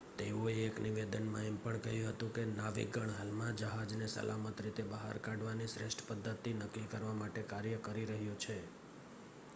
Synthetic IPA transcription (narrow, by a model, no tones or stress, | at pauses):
t̪eũeːkniʋed̪ənmãempəɳkəɦjũɦət̪ũkenaʋḭɡəɳ̃ɦalmãd͡ʒəɦad͡ʒnesə̰lʔa̰mət̪ɾit̪ebəɦa̰ɾkaɖʋanisɾeʃʈʰə̥pəd̪ʱːət̪ːinəkːikəɾʋamaʈekaɾjəkəɾiɾəɦjũt͡ʃʰe